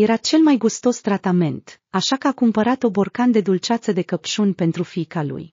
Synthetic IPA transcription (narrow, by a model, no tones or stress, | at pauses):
je̞ɾat͡ʃe̞lmajɡust̪o̞st̪ɾat̪ame̞nt̪aʃakəakumpəɾat̪obo̞rkand̪e̞d̪ult͡ʃat̪səd̪e̞kəpʃunʲpe̞nt̪ɾufikalṵj